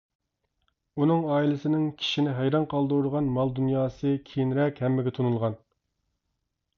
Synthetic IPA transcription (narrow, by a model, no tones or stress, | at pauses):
unɨŋɑːilɪsɪnɪŋkʲʰi̥ʃinɪɦæjɾɑnqʰɑlˠd̪uɾuɾəʁɑnmɑlˠd̪unjɑːsɨkʲʰijinɾɛkʲhɛmːɪɡʲɛt̪ʰunulˠʁɑn